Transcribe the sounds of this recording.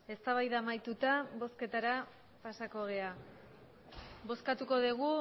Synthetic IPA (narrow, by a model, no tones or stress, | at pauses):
e̞st̪aβajðaːmajt̪ut̪aβo̞ske̞t̪aɾa | pasako̞ɣ̞e̞a | βo̞skat̪uko̞ðiɣu